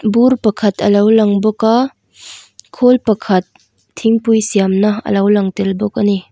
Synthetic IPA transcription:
buɾpɐkʰɐt̪ʰɐ̰lɐwlɐŋbʊka | kʰolpɐkʰɐt̪ʰː | iŋpujsiamnɐə̰lɐwlɐŋtɪlbʊk̚ani

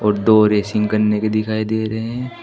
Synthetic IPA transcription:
ɔːɾd̪oːɾeːsɪ̃ŋɡkɐɾneked̪ɪkʰaːid̪eːɾɐɦeɦɛ̃

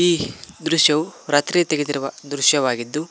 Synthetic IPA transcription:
iːd̪ɾuʃjɐʋuɾɐt̪ɾit̪eɡed̪iɾuʋɐd̪ɾuʃjɐʋaːɡid̪ːu

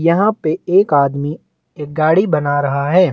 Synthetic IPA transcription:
jɐɦãpeeːkaːd̪mi | eːk̚ɡaːɽibɐnaɾɐɦaɦɛː

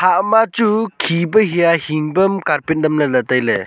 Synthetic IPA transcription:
haʔmat͡ʃukʰibɐɦijahiŋbɐmkaɾpindɐmlɐlɐtajlḛ

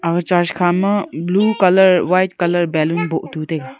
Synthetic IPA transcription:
ɐɡt͡ʃaːɾʃkʰaːmɐbluːkɐləɾʋaːjtkɐləɾbɛːlunboʔt̪uːt̪eɡa

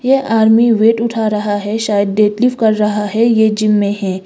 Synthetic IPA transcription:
jeʔaːɾmiʋeːʈʊʈʰaːɾɐɦaɦɛʃaːjəd̪̚ːeːt̪lɪfkɐɾːɐɦaɦɛjed͡ʒɪmːẽɦɛ̃ː

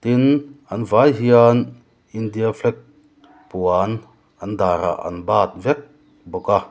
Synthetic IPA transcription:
t̪inɐnvajɦian | ind̪iafʰlɛk̚ | puan | ɐnd̪aɾa̰ʔɐ̰nbaːt̪̚vɛk̚ | bɔka

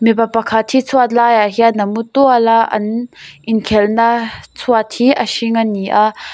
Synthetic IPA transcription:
mipapakʰat̪ʰit͡sʰuat̪̚lajaɦianɐmut̪ualaʔɐ̰nʔɪnkʰɛlnat͡sʰuat̪̚hiʔəʃiŋaniʔa

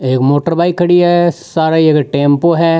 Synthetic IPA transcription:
eːkmoːʈəɾbaːikʰɐɽiɦɛsaːɾaiekʈẽːmpoɦɛ

